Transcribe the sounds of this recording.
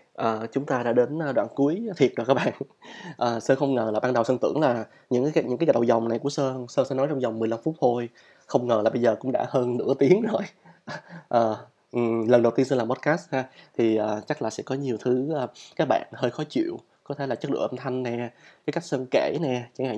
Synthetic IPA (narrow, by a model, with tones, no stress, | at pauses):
ʔəː˨˩t͡ɕʊ˨˦ŋ͡mt̪aː˧ɗa̰ː˧˥ɗe˨˦nʔəː˨˧ɗwa̰ː˧˨nku˨˦əjt̪ʰi˨˩ə˨˩kaː˦˥k̚ɓa̰ː˧˨nʔəː˨˩səː˧nxə˧wŋ͡mŋəː˨˩laː˨˩ɓaː˧nɗə˨˩wsəː˧nt̪ɨ̰˧˩əŋlaː˨˩ | ɲɨ̰˧˥ŋː˨˦jɲɨ̰˧˥kaː˨˦ja˧˩ɗə˨˩za˨˩wŋ͡mna˨˩jku˧˩əsəː˧səː˧sɛ̰˧˥nɔ˨˦jt͡ɕɔ˧wŋ͡mza˨˩wŋ͡mmɨ˨˩əjla˧mfu˦˥t̚t̪ʰo˧j | xə˧wŋ͡mŋəː˨˩laː˨˩ɓə˧jzəː˨˩kʊ̰˧˥ŋ͡mɗa̰ː˧˥həː˧nnɨ̰˧˥ət̪i˨˦əŋzo˨˩j | ʔəː˨˩ | ʔɨ˨˩lə˨˩nɗə˨˩wt̪i˧ənsə˧laː˨˩mo˦˥t̚kaː˦˥st̚haː˧t̪ʰi˨˩ʔəː˨˩t͡ɕa˦˥k̚laː˨˩sɛ̰˧˥kɔ˨˦ɲi˨˩əwt̪ʰɨ˨˦ʔəː˨˩kaː˦˥k̚ɓa̰ː˧˨nhəː˧jxɔ˨˦t͡ɕḭ˧˨əw | kɔ˨˦t̪ʰe˧˩laː˨˩t͡ɕə˦˥k̚ɗɨ̰˧˩ʔa˧mt̪ʰa˧jŋ̟nɛ˨˩kaː˨˦ka˦˥jk̚səː˧nke˧˩nɛ˨˩t͡ɕa˧˩ŋha̰˧˨